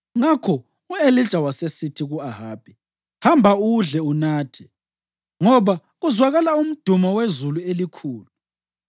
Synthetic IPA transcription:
ŋakʰɔ | ueli̥ʒ̥ʼʱawasesitʰiɣuaɦaːb̥ʱi | hambʱauɮɛunaːtʰɛ̥ | ŋɔβa | ɣuzwaɣalaum̩d̥ʱumɔwezuluelikʰuːlu

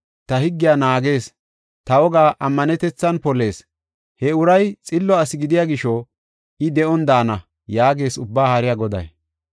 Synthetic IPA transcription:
t̪ɐhɪɡːɪjaːnaːɡe̞ːs | t̪ɐwɔɡaːʔɐmːɐnɛt̪ɛt͡sːɐnpɔle̞ːs | hɛʊɾɐjt͡sʼɪlːɔɐsɪɡɪd̪ɪjaːɡɪʃɔ | ɪd̪ɛʔɔnd̪aːnɐ | jaːɡe̞ːsʊbːaːhɐɾɪjaɡɔd̪ɐ̰j

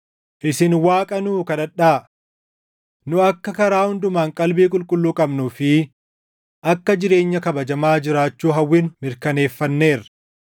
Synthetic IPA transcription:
ʔɪsɪnwaːkʼɐnuːkɐᶑɐᶑaː | nʊɐkːɐkɐɾaːhʊnd̪ʊmaːŋkʼɐlbiːkʼʊlkʼʊlːuːkʼɐbnufɪ | ʔɐkːɐd͡ʒɪɾe̞ːɲːɐkɐbɐd͡ʒɐmaːd͡ʒɪɾaːt͡ʃːuːɦɐwːiːnmɪɾkɐne̞ːfːɐnːe̞ːrɐ̥

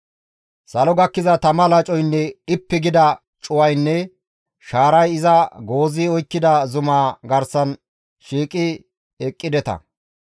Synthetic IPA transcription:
sɐlɔɡɐkːɪzɐt̪ɐmɐlɐt͡ʃʼɔjnːɛɪpːɪɡɪd̪ɐ | t͡ʃʼʊwɐjnːɛ | ʃaːɾɐjɪzɐɡo̞ːziɔjkːɪd̪ɐzʊmaːɡɐɾsɐn | ʃiːkʼɪ | ɛkʼːɪd̪ɛt̪ɐ̰

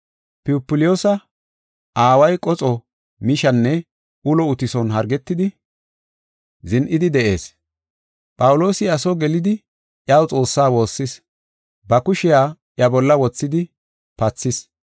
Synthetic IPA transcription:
pɪʊpːɪlɪjoːsɐ | ʔaːwɐjkʼɔt͡sʼɔ | mɪʃɐnːɛ | ʊlɔʊt̪ɪsɔnɦɐɾɡɛt̪ːɪd̪ɪ | zɪnʔɪd̪ɪd̪ɛʔe̞ːs | pʼɐwʊlo̞ːsɪɐsɔɡɛlɪd̪ɪ | ʔjawt͡sʼo̞ːsːaːwo̞ːsːɪs | bɐkʊʃɪjaːʔjɐbɔlːɐwɔt͡sːɪd̪ɪ | pɐt͡sːɪs

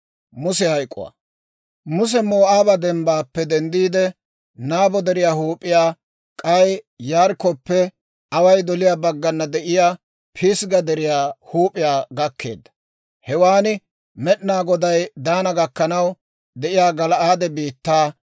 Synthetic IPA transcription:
mʊsɛhɐjkʼːʊ̰wa̰ | mʊs̬ɛmoːʔaːbɐd̪ɛmbaːpːɛd̪ɛnd̪iːd̪ɛ | naːbɔd̪ɛɾɪjaːhuːpʼːɪjaː | kʼɐj | jaːɾkɔpːɛ | ɐwɐjd̪ɔlɪjaːbɐɡːɐnːɐd̪ɛʔɪjaː | pʰisɡɐd̪ɛɾɪjaːhuːpʼɪjaːɡɐkʰːe̞̰ːd̪ːɐ̥ | hɛwaːnɪ | mɛɗnaːɡɔd̪ɐjd̪aːnɐɡɐkːɐnɐw | d̪ɛʔɪjaːɡɐlɐʔaːd̪ɛbiːt̪ːaː

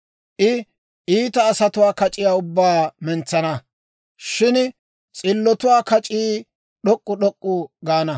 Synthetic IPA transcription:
ʔɪ | ʔiːt̪ɐːsɐt̪ʊwaːkɐt͡ʃʼɪjaːʊbːaːmɛnt͡sːɐnɐ | ʃɪn | t͡sʼɪlːɔt̪ʊwaːkɐt͡ʃʼiː | ɗɔkʼːʊɗɔkʼːʊɡaːnɐ

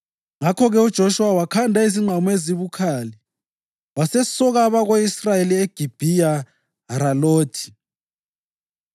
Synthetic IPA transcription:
ŋakʰɔɣɛud̥ʒ̥ʱoʃuwawakʰandʱaiziŋ͡ǃʱamɔeziβukʰaːli | wasɛsɔɣaβaɣoisrajelieɡ̥ʱib̥ʱija | aɾaloːtʰi̥

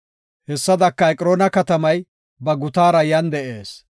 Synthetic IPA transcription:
hɛsːɐd̪ɐkːɐɛkʼɪɾoːnɐkɐt̪ɐmɐj | bɐɡʊt̪aːɾɐjɐnd̪ɛʔe̞ːs

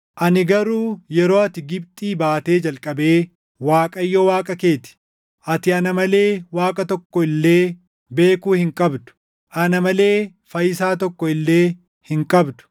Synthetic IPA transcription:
ʔɐnɪɡɐɾuːjɛɾo̞ːɐt̪ɪɡɪbt̪ʼiːbaːt̪e̞ːd͡ʒɐlkʼɐbe̞ː | waːkʼɐjːɔwaːkʼɐke̞ːt̪ɪ̥ | ʔɐt̪ɪɐnɐmɐle̞ːwaːkʼɐt̪ɔkːɔɪlːe̞ː | be̞ːkuːhɪŋkʼɐbd̪ʊ̥ | ʔɐnɐmɐle̞ː | fɐjɪsaːt̪̬ɔkːɔɪlːe̞ː | hɪŋkʼɐbd̪ʊ̥

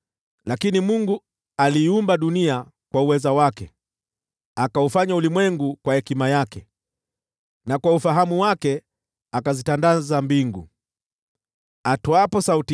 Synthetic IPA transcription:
lakinimuŋɡu | aliːumbaɗunia | kwauwɛzawakɛ | akaufaɲaulimwɛŋɡukwahɛkimajakɛ | nakwaufaɦamuwakɛ | akazitandazambiŋɡu | atɔapɔsauti

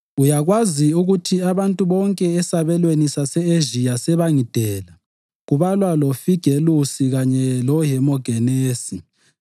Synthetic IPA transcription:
ujaɣwaziuɣutʰiaβantʼuβɔŋkʼɛɛsaβɛlwenisasɛeʒijasɛβaŋid̥ʱɛla | ɣuβalwalɔfiɡ̥ʱelusiɣaɲɛlɔɦɛmɔɡ̥ʱɛneːsi

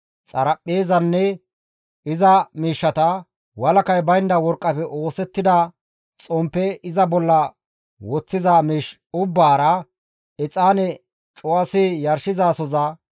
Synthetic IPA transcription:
t͡sʼɐ̰ɾɐpʼːeːzɐnːɛ | ɪzɐmiːʃːɐt̪ɐ | wɐlɐkɐjbɐjnd̪ɐwɔɾkʼːɐpɛʔo̞ːsɛt̪ːɪd̪ɐ | t͡sʼɔmpːɛɪzɐbɔlːɐ | wɔt͡sːɪzamiːʃʊbːaːɾɐ | ɛt͡sʼaːnɛ | t͡ʃʼʊwɐsijɐɾʃɪzaːsɔzɐ

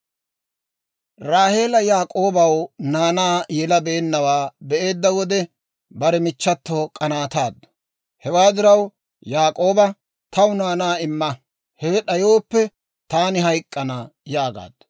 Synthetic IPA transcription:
ɾaːhe̞ːlɐjaːkʼo̞ːbɐwnaːnaːjɛlɐbɛːnːɐwaːbɛʔe̞ːd̪ːɐwɔd̪ɛ | bɐɾɛmɪt͡ʃːɐt̪ːoːkʼɐnaːt̪aːd̪ːɐ | hɛwaːd̪ɪɾɐw | jaːkʼo̞ːbɐ | t̪ɐwʊnaːnaːɪmːɐ | hɛɛɗɐjo̞ːpːɛ | t̪aːnɪɦɐjkʼːɐnɐjaːɡa̰ːd̪̥

